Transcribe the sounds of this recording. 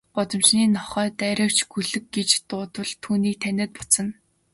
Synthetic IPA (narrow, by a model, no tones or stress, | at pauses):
ɢ̥ʊt͡s̪ɞ̆mt͡ɕniːnɔχœːt̪æɾʲə̆w̥t͡ɕɡɵɮɘ̆kɡet͡ɕt̪ʊːt̪ə̆ɮt̪ʰuːniːk̚t̪ʰænʲɪ̆ːt̪̚pɔ̥t͡sə̆n